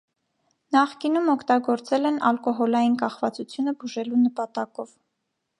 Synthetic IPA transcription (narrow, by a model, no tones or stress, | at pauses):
nɑχkinumɔkʰt̪ɑɡɔɾt͡sɛlɛnɑlkɔɦɔlɑjinkɑχvɑt͡sut͡sʰjunəbuʒɛlunəpɑt̪ɑkɔv